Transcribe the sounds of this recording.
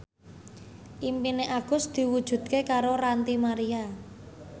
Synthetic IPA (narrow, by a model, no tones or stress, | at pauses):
ʔimpineʔaɡ̥ʊ̤sd̪̥i̤wud̥ʒ̥ṳd̪̥̚kekaɾoɾant̪imaɾia